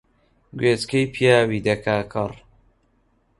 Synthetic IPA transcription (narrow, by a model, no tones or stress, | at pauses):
ɡweːt͡skejpʰijaːwiːd̪ɐkʰaːkʰɐr